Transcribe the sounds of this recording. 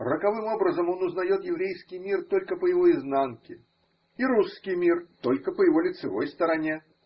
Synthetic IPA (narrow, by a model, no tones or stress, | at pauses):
rəkɐvɨmo̞bɾəzəmo̞nʊznɐjo̞t̪jɪvɾʲejskʲɪjmʲirt̪o̞lʲkəpəjɪvo̞ɪznankʲɪ | iɾuskʲɪjmʲirt̪o̞lʲkəpəjɪvo̞lʲɪt̪sɨvo̞̰jst̪əɾɐnʲe